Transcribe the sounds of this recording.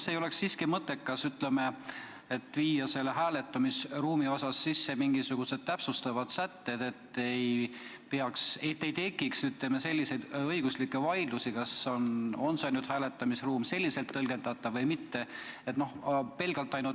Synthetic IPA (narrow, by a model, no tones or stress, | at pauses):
sejoleksːiːskimɤt̪ːˑe̞kkːɑsyt̪le̞me̞ | et̪ːˑviːjːɑse̞lːeɦæːle̞t̪ːˑɑmisruːmio̞sɑsːisːe̞miŋɡisuɡ̥use̞d̪̥̚t̪æpsust̪ɑvɑd̪̥sæt̪ːe̞d̪̥e̞t̪ːej | peɑkset̪ːejt̪e̞kːˑiksyt̪ˑle̞me̞se̞lʲːise̞jd̪ɤjɡ̥uslikːˑevɑjd̪lusikɑsono̞nsenyd̪̥hæːle̞t̪ːˑɑmisruːmse̞lʲːise̞lt̪ːɤlɡe̞nd̪̥ɑt̪ːˑɑvɤjmit̪ːe̞et̪nohpe̞lɡ̥ɑlt̪ːˑɑjnu